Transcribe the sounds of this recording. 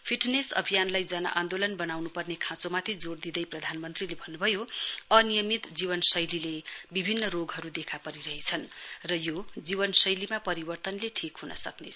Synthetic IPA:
pʰiʈnesʌ̰bʱijanlajd͡zʌna̰ʔand̪olʌnbʌnawnupʌrnekʰãt͡somat̪ʰid͡zord̪id̪ʌjprʌd̪ʱanmʌnt̪rilebʱʌnːubʱʌjoʌnijʌmit̪d͡ziβʌnsʌjlilebibʱinːʌroɡɦʌɾud̪ekʰapʌɾiɾʌɦet͡sʰʌnrʌjod͡zibʌnsʌjlimapʌɾibʌrt̪ʌnleʈʰikɦunʌ̰sʌknḛ

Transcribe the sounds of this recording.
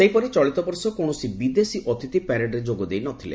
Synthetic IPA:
sejpɔɾit͡ʃɔɭit̪ɔbɔɾsɔkoɳ̃ɔsibid̪esiʔɔt̪ʰit̪ipɛɾeɖɾed͡ʒoɡɔd̪ejnɔt̪ʰilḛ

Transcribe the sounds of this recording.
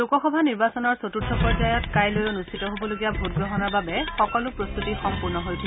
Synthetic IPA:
ukɔxɔbʱaniɹbasɔnɔɹsotutʰːɔpɔɹzajɔtkajlojonustʰitɔɦobɔloɡijabʱut̚ɡɹɔɦɔnɔɹbabɛxɔkɔlʊpɹost̪utixɔmpuɹnɔɦojtʰil

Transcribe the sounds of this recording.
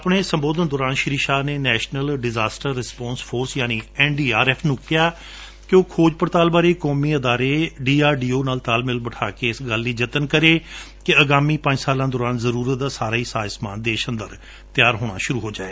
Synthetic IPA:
əpɳeːsəmboːd̪ənd̪ɔːɾaːnʃɪɾiːʃaːneːnɛːʃnəlɖɪzaːsʈəɾːɪspɔãːnspʰoːɾsjaːniːɛːnɖiːaːɾɛːpʰnũːkɪjaː | koːkʰoːd͡ʒpəɾt̪aːlbaːɾeːkɔːmiːəd̪aːɾeːɖiːaːɾɖiːoːnaːlt̪aːlmɪlbəʈʰaːkeːɪsɡəlːiːd͡ʒət̪ənkəɾeː | keəɡaːmĩːpə̃ɲd͡ʒsaːlãːd̪ɔːɾaːnzəɾuːɾət̪̚d̪aːsaːɾaːiːsaːsmaːnd̪eːʃə̃nd̪əɾ | t̪ɪjaːɾɦoːɽ̃a̰ːʃʊɾuːɦoːd͡ʒaːeː

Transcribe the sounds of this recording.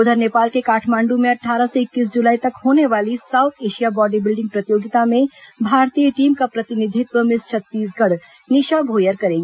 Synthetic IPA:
ʊd̪ʱəɾneːpaːlkekaːʈʰmãːɳɖũmẽɐʈʰːaːɾəseɪkːiːsd͡ʒʊlaːit̪ɐkɦoːneʋaːlisaːʊt̪ʰeːʃijabɔːɖibɪlɖɪ̃ŋɡ̚pɾət̪ɪjoːɡɪt̪amẽbʱaːɾt̪ijəʈiːmkapɾɐt̪ɪnɪd̪ʱɪt̪wəmɪst͡ʃʰɐt̪ːiːs̬ɡʱəɽ | nɪʃaɡʱoːjəɾkɐɾẽːɡe

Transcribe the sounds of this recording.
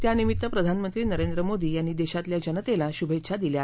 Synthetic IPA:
t̪janimit̪ːəpɾəd̪ʱanmənt̪ɾiːnəɾend̪ɾəmod̪iːjanːiːd̪eɕat̪ljad͡ʑənət̪elaɕubʱet̪ːɕʰad̪ilja

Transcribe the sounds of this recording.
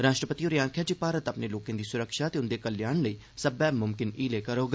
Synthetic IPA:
ɾaːʃʈɾəpət̪iːoːɾiãːkʰjaːd͡ʒiːpaːɾət̪əpneːloːkẽːd̪iːsʊɾəkʃaːt̪eːʊnd̪eːkəljaːɳləiː | səbɛːmʊmkɪniːleːkəɾoːɡ

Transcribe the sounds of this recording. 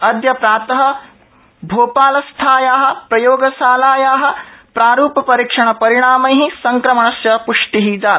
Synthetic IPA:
ɐd̪jɐpɾaːt̪ɐɦɐ̆ | bʱoːpaːlɐst̪ʰaːjaːɦɐ̆pɾɐjoːɡɐsaːlaːjaːɦɐ̆pɾaːɾuːpɐpɐɾiːkʂɐɳɐpɐɾiɽaːmɐ̃jɦisɐŋkɾɐmɐɳɐsjɐpuʂʈiɦid͡ʒaː

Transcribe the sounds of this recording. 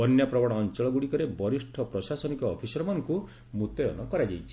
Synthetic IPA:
ɔnjapɾɔbɔɽ̃ɔːnt͡ʃɔɭɔɡuɽikɔɾebɔɾisʈʰɔpɾɔsasɔnikɔːpʰisɔɾɔmanɔŋku | mut̪ɔjɔnɔkɔɾad͡ʒajt͡ʃʰi̥

